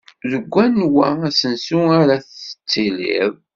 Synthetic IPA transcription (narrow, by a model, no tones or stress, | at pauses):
ðəɡʷːænːwææsənsuaɾaθə̥t͡sːilḭð